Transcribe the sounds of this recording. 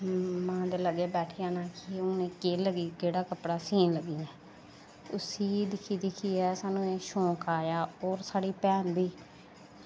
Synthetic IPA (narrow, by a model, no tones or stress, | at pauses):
mãːd̪eːləɡeːbɛːʈʰiːjãːnaːkiʊːnẽːkeːləɡiːkeːɽaːkəpɽaːsiːnləɡːiːɛː | ʊsiːd̪ɪkʰiːd̪ɪkʰiːɛːsaːnũːeːʃõːkaːjaːoːɾsaːɽiːpɛ̃ːnd̪iː